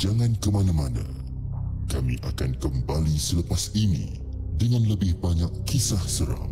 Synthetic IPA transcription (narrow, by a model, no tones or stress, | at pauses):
d͡ʒaŋãnkəmanãmanã̰ | kamḭ̃ʔakankəmbalisələpasinḭ̃ | dəŋãnləbɪhbaɲakːisahsəɾa̰m